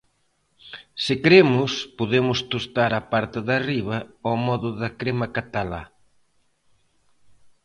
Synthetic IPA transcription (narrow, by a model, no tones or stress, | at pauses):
sɪkɾemʊspoðemʊst̪ost̪aɾapaɾt̪ɪðariβɐomɔðʊðɐkɾemakat̪ala̰